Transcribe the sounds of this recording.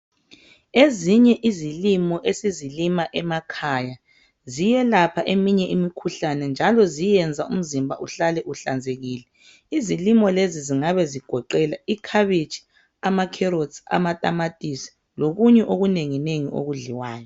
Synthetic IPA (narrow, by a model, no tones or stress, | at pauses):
eziɲɛʔizilimɔʔesizilimaʔɛmakʰaja | zijɛlapʰaʔemiɲɛʔimikʰuɬanɛnd͡ʒʱalɔzijɛnd͡zʱaum̩zimbʱa̰ʔuɬalɛʔuɬand͡zʱeɣiːlɛ | izilimɔleziziŋaβɛziɡ̥ʱɔǃɛlaikʰaβit͡ʃʰʼi̥ | amakʰɛɾodsa̰matʼamatʼisi̥ | loɣuɲɛʔoɣuneŋineŋḭʔo̰ɣuɮiwaːjɔ